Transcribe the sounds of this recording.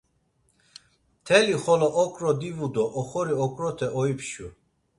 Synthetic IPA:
t̪ʰɛliχɔlɔʔɔkʼɾɔd̪ivud̪ɔʔːχɔɾiɔkʼɾɔt̪ʰɛʔɔipʰʃu

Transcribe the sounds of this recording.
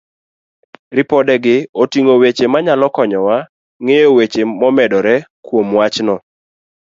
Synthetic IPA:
ɾɪpɔdɛɡɪotiŋowet͡ʃemaɲalɔkɔɲɔwa | ŋejowet͡ʃemɔmɛdɔɾɛkwomwat͡ʃnɔ

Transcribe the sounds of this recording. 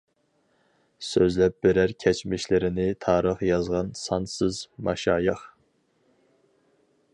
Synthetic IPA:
søzlɛp̚b̥ɪɾæɾkʲʰɛt͡ʃmɪʃlɪɾɪnɪt̪ʰɑːɾəχjɑzʁɑnsɑnsɨzmɑʃɑːjɨχ

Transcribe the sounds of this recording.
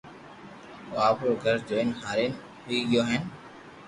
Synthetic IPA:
aːpɾoːɡʱəɾd͡ʒoːɪnɦaːɾeːn | ɦʊiːɡɪjoːɦən

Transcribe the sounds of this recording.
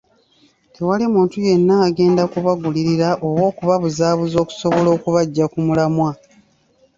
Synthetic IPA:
tʰewalimuːntuje̞nːaːɡe̞ːndakuβaɡuliɾiɾaʔo̞βwo̞ːkuβaβuzaːβuzo̞ːku̥so̞βo̞lo̞ːkuβaɟːakumulamwa

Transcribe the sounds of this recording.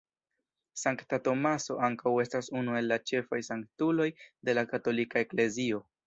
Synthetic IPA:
saŋktato̞maso̞aŋkawe̞stasunue̞lːat͡ʃe̞fajsaŋktulo̞jde̞lakato̞likaekle̞zio̞

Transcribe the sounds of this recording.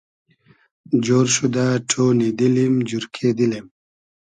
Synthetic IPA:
d͡ʑoːɾɕud̪aʈʰoːnid̪ilimd͡ʑuɾkʰed̪ilim

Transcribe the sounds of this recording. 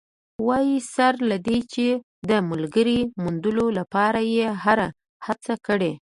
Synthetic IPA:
wɑjisaɾlad̪et͡ʃe | d̪əmalɡəɾimund̪əlolapɑɾajeɦaɾa | hat͡sakəɽe

